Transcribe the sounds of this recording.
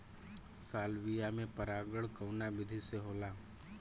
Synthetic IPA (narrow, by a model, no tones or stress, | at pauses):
saːlʋijamẽpəɾaːɡəɽkəʊnabɪd̪ʱiseɦoːlaː